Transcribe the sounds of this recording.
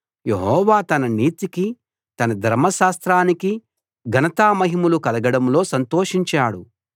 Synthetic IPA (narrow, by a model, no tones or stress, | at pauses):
je̞ɦɔːʋaːt̪ɐnɐniːt̪iki | t̪ɐnɐd̪ʱɐɾmɐʃaːst̪ɾaːniki | ɡʱɐnɐt̪aːmɐɦimulukɐlɐɡɐɽɐmlo̞ːsɐnt̪oːʂiɲt͡ʃaːɽu